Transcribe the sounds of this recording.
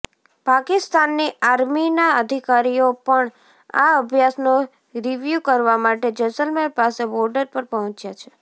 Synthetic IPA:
pakɪst̪anːiaɾminaəd̪ʱikaɾijopəɳ | a̰əbʱjasno | ɾiʋjukəɾʋamaʈed͡ʒəsəlmelpasebɔɾɖəɾpəɾpəɦɔ̃t͡ʃjat͡ʃʰe̥

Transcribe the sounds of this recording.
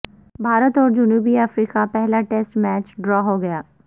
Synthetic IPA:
bʱaːɾət̪ɔːɾd͡ʒʊnuːbiaːfɾiːkapɛɦlaʈɛsʈmɛːt͡ʃɖɾɔːɦoɡɐjaː

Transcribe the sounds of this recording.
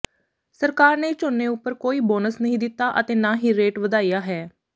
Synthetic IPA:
səɾkaːɾneːt͡ʃoːnːẽːʊpːəɾkoːiːboːnəsnəɦĩːd̪ɪt̪ːaːʔət̪eːnãːɦiːɾeːʈʋəd̪aːijaːɦɛː

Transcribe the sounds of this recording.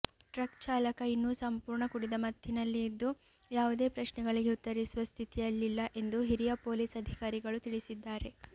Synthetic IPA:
ʈɾɐkt͡ʃaːlɐkɐinːuːsɐmpuːɾɳɐkuɽid̪ɐmɐd̪ʱjinɐlːiːd̪ːu | jaːʋud̪e̞ːpɾɐʃnɛɡɐɭiɡe̞ut̪ːɐɾisuʋɐst̪ʰit̪ijɐlːilːɐʔe̞nd̪uɦiɾijɐpo̞ːliːsɐd̪ʱikaːɾiɡɐɭut̪iɭisid̪ːaːɾe̞

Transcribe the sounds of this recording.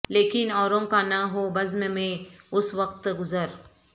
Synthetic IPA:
leːkɪnɔːɾõkanɐɦobɐzmemẽʊsʋɐqt̪ɡʊzəɾ

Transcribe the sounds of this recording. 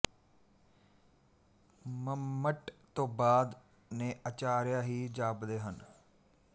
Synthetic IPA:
məmːəʈt̪õːbaːd̪ | nẽːʔət͡ʃaːɾjaːɦiːd͡ʒaːbd̪eːɦən

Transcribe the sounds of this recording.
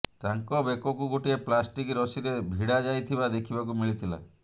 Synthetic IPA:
t̪aŋkɔbekɔkuɡoʈieplasʈikɾɔsiɾebʱiɽad͡ʒajt̪ʰibad̪ekʰibakumiɭit̪ʰila̰

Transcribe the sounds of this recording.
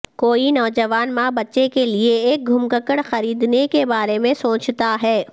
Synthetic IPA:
koːinɔːd͡ʒɐʋaːnmãbɐtːʃekelieeːk̚ɡʱʊmkəkəɽxɐɾiːd̪nekebaːɾemẽsõːt͡ʃt̪aɦɛː

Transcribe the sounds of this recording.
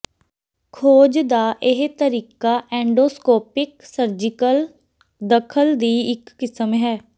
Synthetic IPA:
kʰoːd͡ʒd̪aːʔɪɦt̪əɾiːkaːʔɛ̃ːɳɖoːskoːpɪksəɾd͡ʒɪkəl | d̪əkʰəld̪iːɪkːɪsəmɦɛː

